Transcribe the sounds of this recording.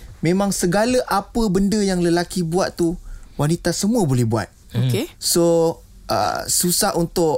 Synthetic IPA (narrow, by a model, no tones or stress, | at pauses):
mẽmãŋsəɡaləʔapəbəndəjaŋləlakibuat̪t̪ːuwanit̪asəmũəbolɛhbua̰t̪̚ | okeso | ʔə̰susahʔunt̪ʊʔ